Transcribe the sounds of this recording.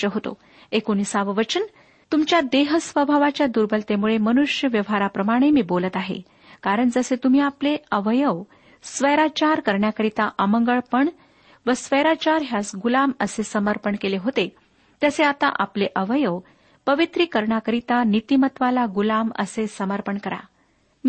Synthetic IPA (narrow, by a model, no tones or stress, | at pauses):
əɦot̪o̰ | ekoñisaʋəʋət͡ɕən | t̪umt͡ɕjad̪eɦəsʋəbʱaʋat͡ɕjad̪uɾbəlt̪emuɭemənuʂjəʋjəʋɦaɾapɾəmaɽ̃emiːbolət̪aɦḛ | kaɾəɳd͡zəset̪um̤iːapleəʋəjəʋ | sʋəjɾat͡ɕaɾkəɾɳjakəɾit̪aʔəməŋɡəɭpəɳ | ʋəsʋəjɾat͡ɕaɾɦjasɡulaməsesəməɾpəɳkeleɦot̪e | t̪jəseat̪a̰ʔapleʔəʋəjəʋ | pəʋit̪ɾiːkəɾɳakəɾit̪anit̪imət̪ʋalaɡulamə̰sesəməɾpəɳkəɾa̰